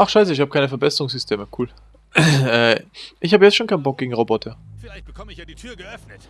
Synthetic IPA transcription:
ʔaχʃaɪs̬əɪçhaːbəkaɪnəfɛɐbɛsəʁʊŋsz̥ʏstʰeːməkʰuːl | ʔɛːʔɪçhaːbəjɛt͡stʃoːnkʰaɪnbɔk̚ɡ̥eːɡŋ̩ʁobɔtʰɐflab̥əkʰɔmɪditʰyːɐɡəœfnət

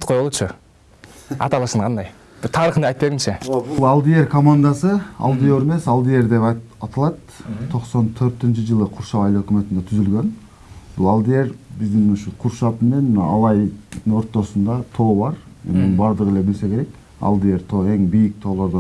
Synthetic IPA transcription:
qʰojbolˠut͡ʃə | ɑ̰t̪ɑlˠɯʃəɴqʰɑnd̪ɑj | b̥ɪɾt̪ʰɑɾəχnɑɑjt̪peɾɪmʃebbulˠɑlˠd̪ije̞ɾkʰomand̪asɨɑ̰lˠd̪ijoɾeme̞sɑlˠd̪ije̞ɾd̪e̞p | ɑt̪ɑlˠɑt̪t̪ʰo̞qso̞nt̪ʰøɾt̪int͡ʃɪd͡ʒɯlˠɯqʰuɾʃɑwɑjløkymø̞t̪ind̪et̪ʰyzylɡø̞n | bulˠɑlˠd̪ije̞ɾbɪzd̪ɪnuʃuqʰuɾʃɑpme̞ne̞nmnɑɑlˠɑj̪o̞ɾt̪ːo̞sund̪ɑt̪ʰo̞ːbɑɾ | ḛmnɪnbɑɾd̪əʁəele̞bɪlse̞kʲʰe̞ɾe̞k | ɑ̰lˠd̪ije̞ɾt̪ʰo̞ːe̞ŋbijɪk̚t̪ʰo̞ːlˠo̞ɾd̪o

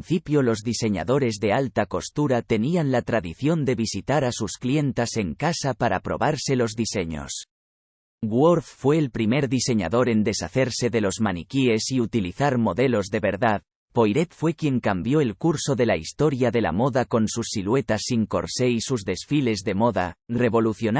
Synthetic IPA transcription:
nθipjo̞lo̞zðise̞ɲa̰ðo̞ɾe̞zðe̞alt̪ako̞st̪uɾat̪e̞nianlat̪ɾaðiθjo̞nd̪e̞βisit̪aɾasusklje̞nt̪ase̞ŋkasapaɾa̰pɾo̞̰βaɾse̞lo̞zðise̞ɲo̰s | ɡwoɾffwe̞ːlpɾime̞ɾðise̞ɲa̰ðo̞ɾe̞nd̪e̞saθe̞ɾse̞ðe̞lo̞zmanikie̞siut̪iliθaɾmo̞ðe̞lo̞zðe̞βe̞ɾðað | po̞jɾe̞t̪fwe̞kje̞ŋkambjo̞elkuɾso̞ðe̞laist̪o̞ɾjaðe̞la̰mo̞ðako̞nsusːilwe̞t̪asːiŋko̞̰ɾse̞isuzðe̞sfile̞zðe̞mo̞ða̰re̞βo̞luθjo̞n

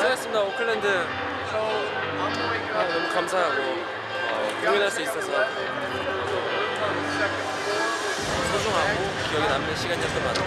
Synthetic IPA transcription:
sʰaɡes͈ɯmɲidaokʰɯɭːendɯ | anʌmʌkamsʰaɦaɡo | ʌkoŋjʌnɦaɭs͈uis͈ʌsʰʌ | sʰʌ | ʌtusʰoŋɦaɡo | kijʌɡinamnɯɕʰiɡaɲiʌt͈ʌnman

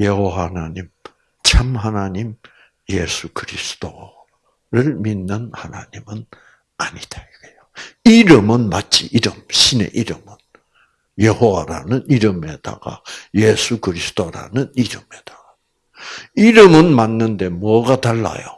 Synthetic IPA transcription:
jehoanaɲim | t͡ɕʰamhanaɲim | jesʰukɯɾisʰɯ̥d̥o | ɾɯɭminːɯnhana̰ɲimɯn | aɲid̥aɡejoiɾɯmɯnmat̚t͡ɕ͈iʔiɾɯmɕʰine̞̰ʔiɾɯmɯn | jehowaɾa̰nɯniɾɯme̞d̥a̰ɡ̥a̰jesʰukɯɾisʰɯ̥doɾa̰nɯniɾɯme̞d̥aɡ̥a | iɾɯmɯnmanːɯnde̞muʌɡataɭːa̰jo̰

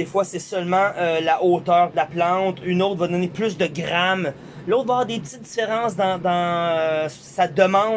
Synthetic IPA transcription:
d̪efwasɛsœlmɑ̃ølaʔoːt̪œːʁd̪əlaplɑ̃ːt̪ynoʊt̪χvad̪ɔneplʏsd̪əɡʁam | loʊt̪̚vaɛːʁd̪epət̪it̪̚d̪ifeʁɑ̃s̬d̪ɑ̃d̪ɑ̃ø | sad̪əmɑ̃

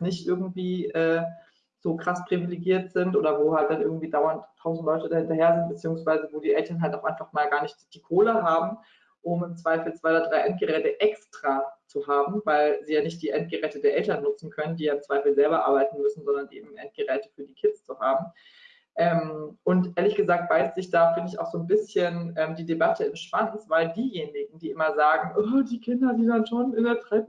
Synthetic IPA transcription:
nɪçtʔɪɐɡŋ̩tv̥iːʔɛː | z̥oːkʁ̥aspʁ̥iviliɡiːɐtz̥ɪntʔoːdɐvoːhalt̚d̥anʔɪɐɡŋ̩tv̥iːdaʊɐntʰːaʊzn̩tlɔʏtədahɪntɐheːɐzɪnt̚b̥ət͡siːʊŋsv̥aɪzəvoːdiːʔɛltɐnɦaltaʊxʔaɪnfaχmaːlɡaːɐnɪçtd̥iːkʰoːləɦaːbm̩ | ʔʊmɪmt͡sv̥aɪfl̩t͡sv̥aɪoːɐdʁaɪʔɛnt̚ɡ̥əʁɛːtəʔɛkstʁ̥aːt͡suɦaːbm̩vaɪlziːjaːnɪçt̚d̥iːʔɛnt̚ɡ̥əʁɛːtədeːɐʔɛltɐnːʊt͡sn̩kʰœnəndiːjaːɪmt͡sv̥aɪfl̩zɛlbɐʔaɐbaɪtn̩mʏsn̩zɔndɐnʔḛːbm̩ʔɛnt̚ɡ̥əʁɛːtə̥fyːɐdiːkʰɪtt͡st͡suhaːbm̩ | ʔɛːmʔʊntʔʔeːɐlɪçɡ̥əzaːk̚t̚b̥aɪstz̥ɪçd̥aːfɪndəɪça̰ʊxz̥oːnbɪsçənʔɛːmdiːdebatʰəɪmʃv̥ant͡sv̥aɪldiːjeːnɪɡŋ̩diːʔɪmɐzaːɡŋ̩ʔɔːdiːkʰɪndɐdiːdanʃoːnɪndeːɐtʁ̥ɛɪp

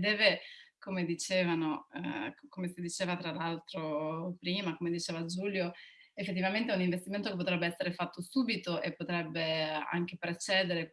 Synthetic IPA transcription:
d̪ɛːvekomed̪it͡ʃeːvano | komesid̪it͡ʃeːvat̪ɾalalt̪ɾopɾiːmakomed̪it͡ʃeːvad͡ʒuːljoefːet̪ːivament̪euniɱvest̪iment̪okepːot̪ɾɛbːeɛsːeɾefat̪ʰːosuːbit̪oʔepːot̪ɾɛbːea̰ŋk̟epɾet͡ʃɛːd̪eɾe

